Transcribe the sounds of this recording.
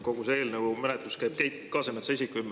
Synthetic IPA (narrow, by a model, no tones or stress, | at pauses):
ko̞ɡ̥useeːlneumenet̪luskæjb̥kæjtkɑːsemɑt̪seisikːymː